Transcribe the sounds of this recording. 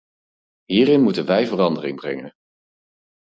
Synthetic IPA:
ɦiːɾɪnmutənʋɛjvərɑndərɪŋbrɛŋən

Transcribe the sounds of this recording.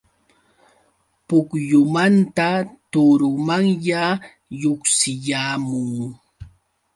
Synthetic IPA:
pʊkjʊmant̪at̪ʊɾʊmaŋja | joksɪʎaːmʊŋ

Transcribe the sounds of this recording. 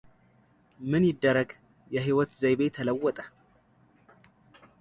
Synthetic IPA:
mɨnjɪd̪ːəɾəɡ | jɛɦiwɔt̪zəjβet̪ʰələwːɔt̪ʼə

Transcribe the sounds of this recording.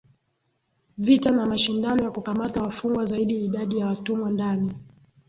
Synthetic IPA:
vitanamaʃindanɔjakukamatawafuŋɡwazaiɗiiɗaɗijawatumwandani

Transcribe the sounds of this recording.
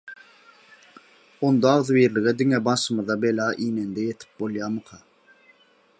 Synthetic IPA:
ond̪ɑːʁðɯwjeɾlɪɡɛd̪ɪŋɛbɑnʃɯmɯðɑbelɑːʔiːnend̪ɛjet̪ʰɪ̥p̚bolˠjɑːmɯqʰɑ

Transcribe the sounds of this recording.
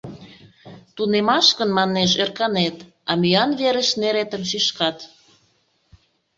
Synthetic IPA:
t̪unemɑʃkənmɑnːeʃ̬erkɑnet̪ | ɑmyɑnβeɾəʃneɾet̪əmʃiʃkɑt̪

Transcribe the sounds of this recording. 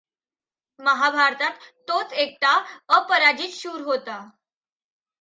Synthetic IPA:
məɦabʱaɾt̪at̪ːot͡sek̚ʈaəpəɾad͡ʑiːt͡sɕuːɾɦot̪a

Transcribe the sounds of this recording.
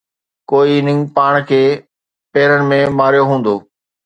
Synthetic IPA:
koːinɪ̃ŋpaːɽ̃kʰeː | peːɾənɪ̆mẽmaːɾijoɦũːn̆d̪oː

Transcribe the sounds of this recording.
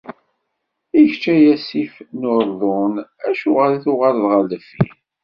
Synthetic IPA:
içt͡ʃːæjæsifnʊɾˤðˤonæʃuʁəlθʊʁaɾðʁələfḭn

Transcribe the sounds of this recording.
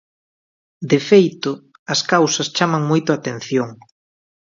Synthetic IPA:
d̪efejt̪ʊ | ɐskawsɐst͡ʃamɐŋmojt̪ʊat̪ẽn̟θjoŋ

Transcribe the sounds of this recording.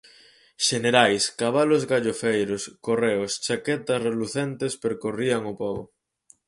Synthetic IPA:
ʃeneɾajskaβalozɣaʎofejɾʊskoreʊst͡ʃakɛt̪ɐsreluθent̪espeɾkoriaŋopɔβʊ

